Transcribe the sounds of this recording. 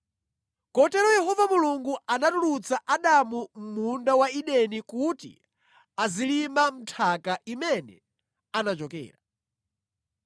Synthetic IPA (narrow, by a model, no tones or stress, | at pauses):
kɔtɛɾɔjɛɦɔvamuluŋɡuanatulut͡saʔaɗamum̩mundawaiɗɛnikutḭ | azilimam̩tʰakaʔimɛnɛ̰ | anat͡ʃɔkɛ̰ːɾa